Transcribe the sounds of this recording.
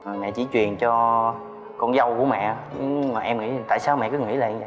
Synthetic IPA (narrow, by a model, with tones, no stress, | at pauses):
ʔəː˨˩mɛ̰˧˨t͡ɕi˧˩˦t͡ɕwi˨˩ənt͡ɕɔ˧ | kɔ˧nzə˧wku˧˩˦əmɛ̰˧˨ɲɨ˧˦maː˨˩ʔɛ˧mŋḭ˧˥˨t̪a̰ː˧˨jsaː˧wmɛ̰˧˨kɨ˨˦ŋḭ˧˥laː˨ʔɛ˧mzə˧˨˦